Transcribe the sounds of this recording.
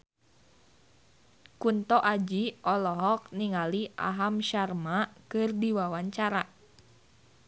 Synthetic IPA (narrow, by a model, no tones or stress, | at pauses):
kunt̪ɔʔad͡ʒiʔɔlɔɦɔk̚niŋaliʔa̰ɦamʃarmakɨrdiwawaɲt͡ʃaɾa